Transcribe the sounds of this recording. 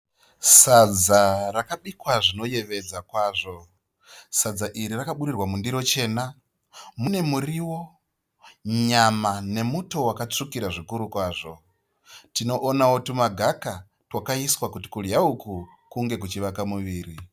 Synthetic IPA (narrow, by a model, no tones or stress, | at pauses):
sad͡zarakaɓikwaʐino̞je̞ʋe̞d͡zakwaːʐo̞ | sad͡zaʔiɾirakaɓuɾirwamundiɾo̞t͡ʃe̞ːna | mune̞muriwo̞ | ɲamane̞muto̞wakat͡ʂukiɾaʐikuɾukwaːʐo̞ | tino̞ʔːnawotumaɡʱaka | twakaiswakuti̥kuljauku | kuŋɡe̞k̬ut͡ʃiʋakamuʋiːri